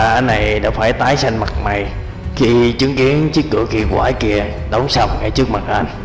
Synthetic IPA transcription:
ʔa˨˩na˨˩jɗa̰ː˧˥faː˧˩jt̪aː˨˦jsa˧ŋ̟ma˨˩t̚ma˨˩j | xi˧t͡ɕɨ˨˦əŋki˨˦ənt͡ɕɨ˦˥k̚kɨ̰˧˩əki˧kwaː˧˩jki˧˩ə | ɗə˨˦wŋ͡msa˧˩wŋ͡mŋa˧˩jt͡ɕɨ˦˥ək̚ma˨˩t̚ʔa˧jŋ̟

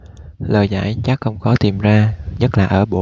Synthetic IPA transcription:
ləː˨˩jza̰ː˧˩jt͡ɕa˦˥k̚xə˧wŋ͡mkɔ˨˦t̪i˨˩mzaː˧ɲə˦˥t̚laː˨˩ʔəː˧˩ɓo˧˩

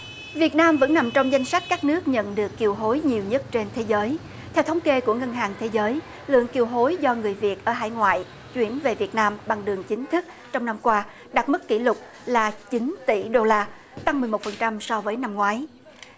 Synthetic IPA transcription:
vi˨˩ət̚naː˧mvə̰˧˥nːa˨˩mt͡ɕɔ˧wŋ͡mza˧jŋ̟sa˦˥jk̚kaː˦˥k̚nɨ˦˥ək̚ɲə̰˧˨nɗɨ˨˩əkːi˨˩əwɦo˨˦jɲi˨˩əwɲə˦˥t̚t͡ɕe˧nt̪ʰe˨˦zəː˨˦j | t̪ʰɛ˧wt̪ʰwŋ͡mke˧ku˧˩əŋə˧nɦaː˨˩ŋt̪ʰe˨˦zəː˨˦j | lɨ̰˧˨əŋki˨˩əwɦo˨˦jzɔ˧ŋɨ˨˩əjvi˨˩ət̚ʔəː˧˩ɦa̰ː˧˨jŋwa̰ː˧˨j | t͡ɕwi˧˩ənve˨˩vi˨˩ət̚naː˧mɓa˨˩ŋɗɨ˨˩əŋt͡ɕï˨˦ŋ̟t̪ʰɨ˦˥k̚ | t͡ɕɔ˧wŋ͡mna˧mkwaː˧ | ɗa˨˩t̚mɨ˦˥kːḭ˧˩lʊ˨˩k͡p̚ | laː˨˩t͡ɕi˨˦ŋt̪ḭ˧˩ɗo˧laː˧ | t̪a˧ŋmɨ˨˩əjmo˨˩t̚fə˨˩nt͡ɕa˧msɔ˧vəː˨˦jna˧mŋwaː˨˦j

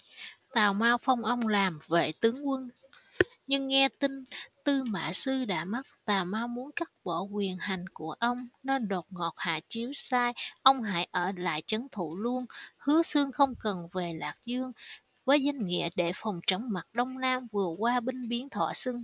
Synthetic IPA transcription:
t̪aː˨˩wmaː˧wfə˧wŋ͡mʔə˧wŋ͡mlaː˨˩mvḛ˧˨t̪ɨ˨˦əŋkwə˧n | ɲɨ˧ŋːɛ˧t̪ï˧ŋ̟t̪ɨ˧ma̰ː˧˨sɨ˧ɗa̰ː˧˥ma˦˥t̚t̪aː˨˩wmaː˧wmu˨˦nka˦˥t̚ɓɔ˧˩kwi˨˩ənha˨˩jŋ̟ku˧˩əʔə˧wŋ͡mne˧nɗo˨˩t̚ŋɔ˨˩t̚ha̰ː˧˨t͡ɕi˨˦əwsaː˧jʔə˧wŋ͡mɦa̰ː˧˥jʔəː˧˩la̰ː˧˨jt͡ɕə˨˦nt̪ʰṵ˧˨lu˧ənhɨ˨˦əsɨ˧əŋxə˧wŋ͡mkə˨˩nve˨˩laː˨˩k̚zɨ˧əŋ | vəː˨˦jza˧jŋ̟ŋḭ˧˨əɗe˧˩fa˨˩wŋ͡mt͡ɕə˧˩wŋ͡mma˨˩t̚ɗə˧wŋ͡mlaː˧mvɨ˨˩əkwaː˧ɓi˧ŋ̟ɓi˨˦ənt̪ʰwa̰ː˧˨sɨ˧ŋ

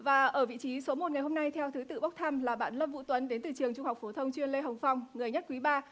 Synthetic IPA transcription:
vaː˨˩ʔəː˧˩vḭ˧˨t͡ɕi˨˦so˨˦mo˨˩t̚ŋa˨˩jɦo˧mna˧jt̪ʰɛ˧wt̪ʰɨ˨˦t̪ɨ̰˧˨ɓə˦˥k͡p̚t̪ʰaː˧mlaː˨˩ɓa̰ː˧˨nlə˧p̚vṵ˧˥t̪wə˨˦nɗe˨˦nt̪ɨ˨˩t͡ɕɨ˨˩əŋt͡ɕʊ˧ŋ͡mha˨˩wk͡p̚fo˨˦t̪ʰə˧wŋ͡mt͡ɕwi˧ənle˧ɦə˨˩wŋ͡mfa˧wŋ͡mŋɨ˨˩əjɲa˦˥t̚kwi˨˦ɓaː˧

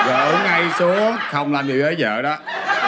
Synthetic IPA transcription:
ɣɔ̰˧˨˦a˧jsu˨˦əxə˧wŋ͡mlaː˧˩mɗi˨˩wt̪ʰəː˨˦jzə̰ː˧˨ɗɔ˨˦

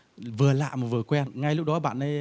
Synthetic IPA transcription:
vɨ˨˩əla̰ː˧˨jmaː˨˩vɨ˨˩ə˩kwɛ˧nŋa˧jlʊ˦˥k͡p̚ɗɔ˨˦ɓa̰ː˧˨nʔə˨˦

